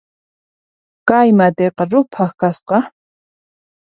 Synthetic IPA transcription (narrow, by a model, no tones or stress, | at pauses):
kajmad̪eqɑɾʊpʰaχkasqɑ